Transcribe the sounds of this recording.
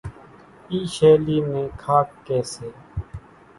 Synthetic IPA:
iːʃeːliːnẽːkʰaːk̚ːeːseː

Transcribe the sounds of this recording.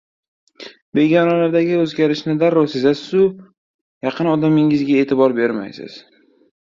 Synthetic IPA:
be̞ɡʲɒnalaɾd̪aɡʲɪɵzɡʲaɾɪʃnɪd̪aɾːɒsɪzasɪzʊ | jɑqʰɨnɒd̪amɪŋɪzɡʲae̞ːt̪ʰɪbɒɾbe̞ɾma̰jsɪ̰z̥

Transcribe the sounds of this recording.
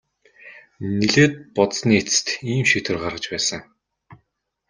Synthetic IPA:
neɮeːt̪̚pɔt̪sniːet͡sɘ̥t̪iːmʃit̪ʰɘ̆rɢarʁə̆t͡ɕpæːsə̆ŋ

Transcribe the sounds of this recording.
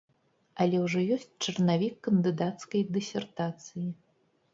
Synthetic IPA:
ɐlʲɛwʐɔjɔsʲt͡sʲt͡ʂɐrnavʲikːɐnd̪ɨd̪at̪skɐjd̪ɨsʲɛrt̪at̪sɨji

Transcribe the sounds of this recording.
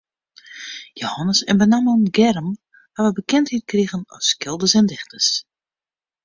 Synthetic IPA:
johɔnəsə̰nbənamənɡɛrəm | haʋəbəkɛnthit̚kriɣənɔ̰skɪlˠdəsɛndɪxtəs

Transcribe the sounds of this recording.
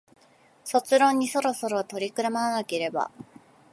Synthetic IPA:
so̞t͡sɨɾõ̞ɲ̟ːiso̞ɾo̞so̞ɾo̞t̪o̞ɾʲikɯ̟ɾamaɾanake̞ɾe̞ba̰

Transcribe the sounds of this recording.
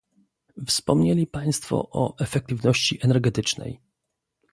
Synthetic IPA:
fspɔmɲelʲipaj̃st̪fɔ̰ʔɔʔɛfɛk̚t̪ɘvnɔɕt͡ɕiʔɛnɛɾɡɛt̪ɘt͡ʂnɛ̰j

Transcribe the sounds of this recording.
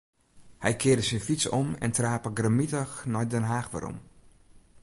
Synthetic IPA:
hɛjkʰɪːədəsɪnfisɔmɛ̰ntraːpəɡrəmitəxnajdɛnɦaːxʋa̰ɾɔ̰m

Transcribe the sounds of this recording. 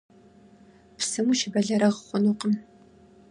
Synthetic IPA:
psɨmuʃɪbɐɮɐɾɐʁχʷʊnuqəm

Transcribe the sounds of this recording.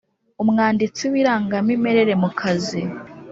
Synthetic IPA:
umŋaːndit͡siwiɾaːŋɡamime̞ɾe̞ɾe̞mukʰazi

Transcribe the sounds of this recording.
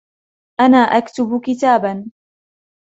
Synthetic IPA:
ʔanaːʔakt̪ʊbkɪt̪aːban

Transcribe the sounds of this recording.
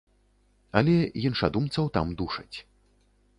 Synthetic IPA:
ɐlʲɛjinʂad̪umt̪sɐwt̪amd̪uʂɐt͡sʲ

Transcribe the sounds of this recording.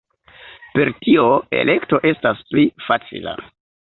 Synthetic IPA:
pe̞ɾtio̞e̞̰lʔe̞kto̞ʔe̞stasplifat͡sḭla̰

